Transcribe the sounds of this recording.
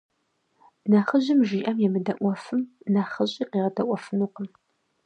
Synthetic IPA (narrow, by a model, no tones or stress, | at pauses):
naχəʑɪmʒiːʔɐmjɛmɨdɐʔʷɔfɨmnaːχɐɕʼiːqiːʁɐdɐʔʷɔfɨnuːqəm